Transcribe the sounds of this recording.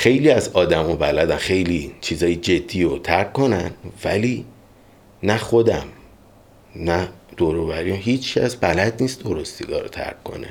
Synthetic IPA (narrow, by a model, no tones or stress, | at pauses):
xe̞jliːæzɒːd̪æmubælæd̪æmxejliːt͡ʃʰiːzɒːjid͡ʒe̞d̪ːiːot̪ʰæɾkʰːo̞nænvæliː | næxo̞d̪æm | næd̪̥oɾoːvæɾiːæmɦiːt͡ʃkʰæsbælæd̪niːst̪d̪oɾost̪iɡɒ̰ːɾot̪ʰæ̰ɾkʰːo̞̰nḛ